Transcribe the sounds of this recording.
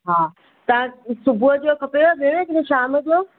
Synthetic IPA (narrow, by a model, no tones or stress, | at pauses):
ɦaː | t̪ɐʋ̤ãsʊbʱuəd͡ʑokʰɐpjoɓeːɽ̃ekɪẽʃaːməd͡ʑoː